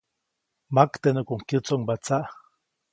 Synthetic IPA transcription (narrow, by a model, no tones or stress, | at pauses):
makt̪enokoŋkjut͡soŋbat͡saʔ